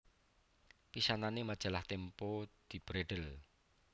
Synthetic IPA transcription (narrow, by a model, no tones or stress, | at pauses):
pisananemad̥ʒ̥a̤laht̪empod̪̥i̤b̥ɾeɖ̥əl